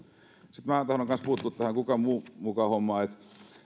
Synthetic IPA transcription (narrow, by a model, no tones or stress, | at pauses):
sit̪mæːt̪ɑhnoŋkɑnspuht̪ːˑuːt̪t̪æhæŋkukɑmuːmukɑhomːɑːet̪